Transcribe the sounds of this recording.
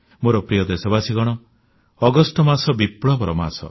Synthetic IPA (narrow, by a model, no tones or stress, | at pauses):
moɾɔpɾijɔd̪esɔbasiɡɔɽ̃ɔ | ɔɡɔsʈɔmasɔbipɭɔbɔɾɔma̰sɔ̰